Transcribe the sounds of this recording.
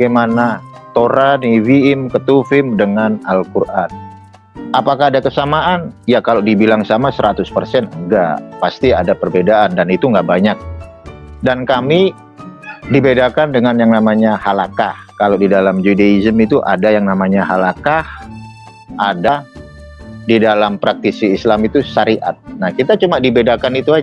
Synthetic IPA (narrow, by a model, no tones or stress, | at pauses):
ɡamana | t̪oɾaniviɪmkət̪ufɪmdəŋanalkurʔan | apakaːdakəsamaʔanjakalodibilaŋsamasəɾʔat̪ʊspərsɛnəŋɡaʔpast̪iadapərbedaʔandanit̪uŋɡaʔbaɲak̚ | dankami | dibedakandəŋanjaŋnamaɲahalakahkalodidalamd͡ʒudaizəmit̪uʔa̰dajaŋnamaɲaɦalakah | ada | didalampɾak̚t̪isiːslamit̪usaɾiʔa̰t̪̚nahkit̪at͡ʃumadibedakanit̪ua